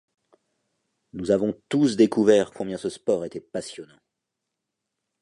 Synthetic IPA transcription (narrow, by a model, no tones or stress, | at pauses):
nuzavɔ̃t̪usd̪ekuvɛʁkɔ̃bjɛ̃səspɔʁet̪ɛpasjɔnɑ̃